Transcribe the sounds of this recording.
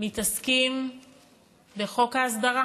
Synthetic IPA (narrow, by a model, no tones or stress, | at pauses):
mit̪askim | be̞χo̞kaːsd̪aʁa